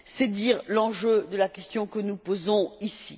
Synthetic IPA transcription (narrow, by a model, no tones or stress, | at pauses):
sɛd̪iʁlɑ̃ʒød̪əlakʲɛst̪jɔ̃kənupozɔ̃isi